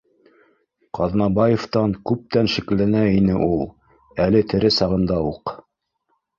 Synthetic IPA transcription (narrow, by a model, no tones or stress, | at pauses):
qɑðnɑbɑjeft̪ɑŋkʉp̚t̪ænʃɘ̆klænæinɘʔulˠ | ælɘt̪ɘ̆ɾɘsɑʁɤ̆nd̪ɑuq